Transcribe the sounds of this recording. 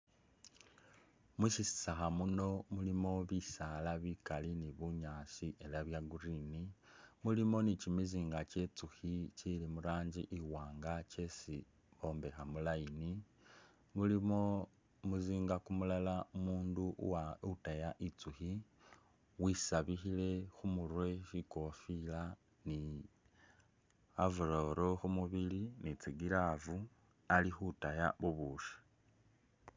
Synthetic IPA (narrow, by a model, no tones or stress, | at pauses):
muʃisi̥saxamuno̞mulimo̞βisalaβikaliniβuɲaːsiʔe̞laβjaɡurinimulimo̞nicimiziːŋɡace̞t͡suxicilimuɾaːɲd͡ʒiʔiwaːŋɡace̞si | βo̞ːmbe̞xamulaini | mulio | muziːŋɡakumulalaumuːnduʔwautajaʔit͡suxi | wisaβixile̞xumuɾwe̞ʃiko̞fila | ni | avuɾoɾo̞xumuβilinit͡siɡilavu | alixutaja̰βuβuːʃi̥